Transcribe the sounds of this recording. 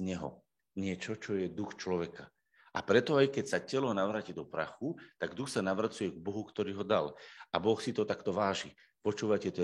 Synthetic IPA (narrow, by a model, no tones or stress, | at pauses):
ɲɛɦɔ̰ | ɲɪɛt͡ʃɔt͡ʃɔjɛd̪uxt͡ʃlɔʋɛka | ʔa̰pɾɛt̪ɔajkɛcsacɛlɔnaʋɾaːcid̪ɔpɾa̰xut̪aɡd̪uxsanaʋɾat͡sujɛɡ̚bɔɦukt̪ɔɾiːɦɔd̪alabɔxsit̪ɔt̪akt̪ɔʋaːʒi | pɔt͡ʃuːʋacɛt̪ɔ